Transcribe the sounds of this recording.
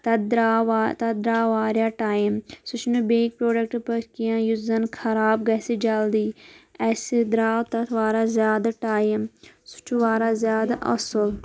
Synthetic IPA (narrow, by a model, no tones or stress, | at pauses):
t̪ɐd̪ɾaːʋat̪ɐd̪ɾaːʋaːɾjaːʈaːjmsʊt͡ʃʰnubeːk̚pɾoːɖək̚ʈpəɾkijãːjuzɐnkʰɐɾaːbɡɐːsed͡ʒald̪iːɛːsed̪ɾaːwt̪ɐt̪ʰʋaːɾaːzjaːd̪aːʈaːjimsʊ̥t͡ʃʰuʋaːɾaːzjaːd̪aʔɐsəl